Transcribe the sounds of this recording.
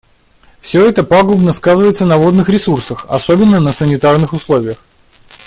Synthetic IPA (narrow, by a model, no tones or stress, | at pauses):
fsʲɵɛt̪əpaɡʊbnəskazɨvəjɪt̪sənɐvo̞d̪nɨxɾʲɪsursəxɐ̰sobʲɪnːənəsənʲɪt̪arnɨxʊslˠo̞vʲɪjəx